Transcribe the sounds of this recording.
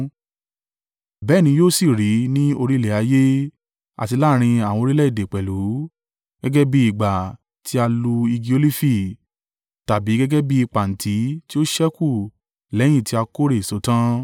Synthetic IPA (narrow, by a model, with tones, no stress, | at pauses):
bɛ˦˨nĩ˧joː˦˨si˨ɾi˨˦nĩ˦o˧ɾi˦lɛ˨a˧˦je˦ | a̰˨ti˧la˦˨ɾ̃ĩ˧a˨w̃ɔ̃˧ɾi˦lɛ˦i˦˨de˨k͡pɛ˨lu˨˦ | ɡ̥ɛ˦ɡɛ˦bi˧i˨ɡ͡ba˨ | tʰi˦a˧lu˧i˧ɡi˧o˧li˦fi˦˨ | ta˨bi˨˦ɡɛ˦ɡɛ˦bi˧i˧k͡pa˨n̩˨tʰi˨˦ti˦o˦ʃɛ˦ku˦˨ | lɛ̃˨˦ĩ˦˨ti˧˦a˧ko˦ɾe˦˨so˨˦tã˦